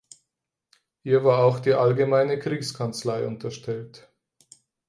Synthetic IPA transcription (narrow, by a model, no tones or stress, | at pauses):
hiːɐvaːɐaʊxd̥iːʔalɡəmaɪnəkʁ̥iːkskʰant͡slaɪʔʊntɐʃtʰɛlt